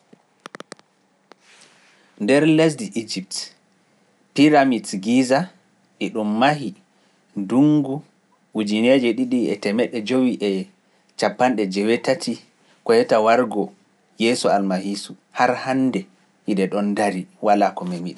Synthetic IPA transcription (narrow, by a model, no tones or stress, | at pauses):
ndɛɾlɛs̬diʔid͡ʒip̚t | piɾamitɡiza | ɗiɗumːaɦi | duŋɡu | ud͡ʒined͡ʒɛɗiɗiɛ̰tɛmɛɗɛd͡ʒowiʔɛ | t͡ʃapːanɗɛd͡ʒɛwetatʰi | kɔjɛtawaɾɡɔ | jɛːsualmahisu | haɾhandɛ | ʔiɗɛɗɔndaɾiwalakɔmɛmiɗi